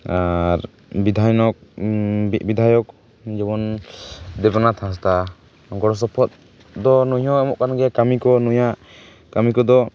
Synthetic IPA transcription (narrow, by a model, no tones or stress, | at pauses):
aɾ | bid̪ʱajnɔk̚bibid̪ʱajɔk̚ | d͡ʒɛβɔn | d̪ɛbanat̪ʰãs̬t̪a | ɡɔɽɔs̬ɔpʰɔt̪̚ | d̪ɔnuɲɔ̃ɛmɔʔkanɡɛkamikɔnujaʔ | kamikɔd̪ɔ